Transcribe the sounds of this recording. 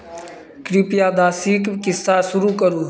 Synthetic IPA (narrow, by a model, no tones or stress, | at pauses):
kɾiːpɪjaːd̪aːsiːkkɪsaːsʊɾuːkəɾuː